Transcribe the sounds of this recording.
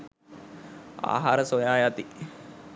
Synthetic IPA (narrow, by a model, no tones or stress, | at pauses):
a̰ːɦaːɾəsojaːjat̪i